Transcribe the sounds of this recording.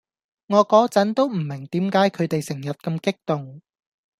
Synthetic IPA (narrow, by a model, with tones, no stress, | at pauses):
ŋɔː˨˧kɔː˨˥t͡sɐ˨˥nt̪o˥wm̩˨˩mɪ˨˩ŋt̪iː˨˥mkaː˨˥jkʰɵ˨˧ɥt̪e˨jsɪ˨˩ŋjɐ˨t̚kɐ˧mkɪ˥k̚t̪ʊ˨ŋ